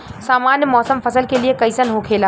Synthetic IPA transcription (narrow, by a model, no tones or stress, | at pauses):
saːmanjəmɔːsəmpʰəsəlkelijekəɪsənɦokʰela